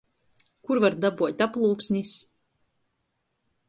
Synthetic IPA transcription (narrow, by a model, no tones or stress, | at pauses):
kuɾvaɾd̪abuɔt̪ʲaplˠuːksʲnʲis